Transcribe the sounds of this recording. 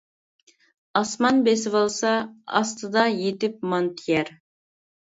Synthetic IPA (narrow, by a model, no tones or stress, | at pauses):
ɑsmɑnbesɪvɑlˠsɑɑ̰st̪ɨd̪ɑjet̪ɪp̚mɑnt̪ʰijɛɾ